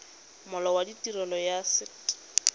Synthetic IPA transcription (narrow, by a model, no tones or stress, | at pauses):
mʊlɔwaditʼirɔlɔjasɪ